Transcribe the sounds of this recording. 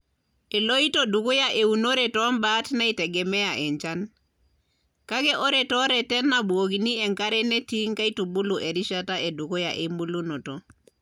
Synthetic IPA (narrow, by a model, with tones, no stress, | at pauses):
e˨lo˦i˦toduku˦ja˦ʔe˨uno˦ɾe˨tɔ˦mba˦tna˦itɛɡɛ˨mɛ˦ja˨ʔɛ˨ɲt͡ʃa˦n | ka˦kɛ˦ʔo˦ɾɛtɔ˦ɾɛ˨tɛ˦nːabwo˨kini˦ɛ˨ŋka˦ɾɛ˦ne˦ti˦ŋka˦i˦tu˨bu˦luʔe˨ɾi˦ʃa˦ta˦ʔe˨du˨ku˦ja˨ʔe˨mbu˦lu˦no˨to˨